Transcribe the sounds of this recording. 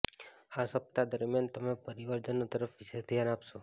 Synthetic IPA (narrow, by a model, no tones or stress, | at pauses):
asəp̚t̪ad̪əɾmjant̪əmepəɾiʋəɾd͡ʒənːot̪əɾəfʋiʃed̪ʱjanapʃo